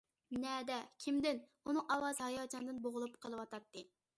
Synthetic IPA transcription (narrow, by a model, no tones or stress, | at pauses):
nɛd̪ɛkʲʰimd̪ɪn | unɨŋʔɑwɑzhɑjɑːd͡ʒɑnd̪ɨnboʁʊlˠupqʰəlˠɨwɑt̪ɑt̪ːɨ